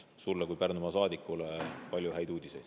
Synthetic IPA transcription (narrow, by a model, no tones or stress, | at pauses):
sulːekujpærnumɑsɑːd̪ikːˑulepɑlʲjuhæjd̪uːd̪̥ʲise̞jd̪̥